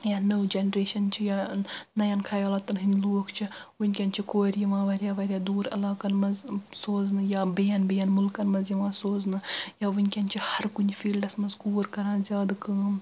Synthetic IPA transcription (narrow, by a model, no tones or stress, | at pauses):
jaːnəːd͡ʒenɾeːʃɐnt͡ʃʰijanɐjɐnkʰɐjaːlat̪ːɐnɦinʲloːkʰt͡ʃʰiʋunʲkʲɐnʲt͡ʃʰikoːɾjiʋãːʋɐɾʲjaːʋɐɾʲjad̪uːɾɐ̰laːkɐnmɐzsoːznɨjabejɐnbejɐnmʊlkɐnmɐzjiʋãːsoːznɨjaːʋunʲkʲɐnʲt͡ʃʰihɐɾkunʲfiːlɖɐsmɐzkuːɾkɐɾãːnzʲjaːd̪kɐːm